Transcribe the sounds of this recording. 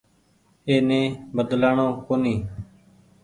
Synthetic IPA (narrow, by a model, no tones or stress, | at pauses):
eːnẽːbəd̪laːɳõːkoːniː